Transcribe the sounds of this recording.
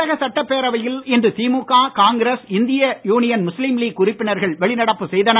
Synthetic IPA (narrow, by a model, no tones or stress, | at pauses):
ɐɣɐsɐʈːɐpːeːɾɐʋɐjɪlɪndrɯt̪iːmuːkːaːkaːŋɡɾesɪnd̪ɪjɐjuːnɪjɐnmʊslimliːkːʊrɪpːɪnɐɾɣɐɭʋɛɭɪnɐɽɐpːɯsɛjðɐnɐ